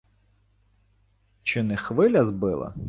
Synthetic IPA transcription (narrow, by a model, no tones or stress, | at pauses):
t͡ʃɪnɛxʋɪlʲɐzbɪlˠɐ̰